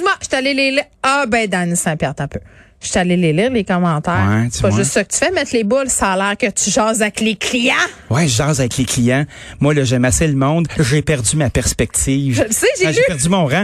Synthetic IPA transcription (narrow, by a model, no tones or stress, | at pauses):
maʃy̥t̪aleleliː | ɔbɛ̃d̪ãnisɛ̃pjɛʁt̪ɛ̃pø | ʃy̥t̪aleleliːʁlekɔmɑ̃ːt̪æːʁɛpɔʒɨst̪sɔkət̪y̥fɛmɛt̪leːbʊlsaːlæːʁkʲət̪yʒɑːzavɛklekʰlijãwɛʒʒɑːzavɛkleklijã | mwalɔʒɛmaseləmɔ̃d̪ʒepɛʁdd͡zymapɛʁspɛk̚t̪iːvʒəlseʒeʒlypɛʁzymɔ̃ʁã